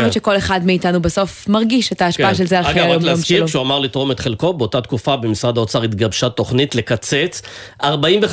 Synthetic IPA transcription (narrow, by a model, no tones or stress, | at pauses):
ot͡ʃʃeko̞le̞χadmiːtanubaso̞fmaʁɡiʃetaːʃpaaʃelzealɡaoleaskiʁkʃuamaʁlitʁo̞met̪χelko̞beotat̪kufabemisʁad̪aot͡saʁit̪ɡabʃat̪o̞χnitle̞kat͡set͡s | aʁbaimve